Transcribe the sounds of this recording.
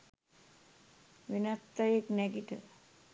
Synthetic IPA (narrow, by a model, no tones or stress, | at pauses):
ʋinat̪ːaeknɛɡiʈə̰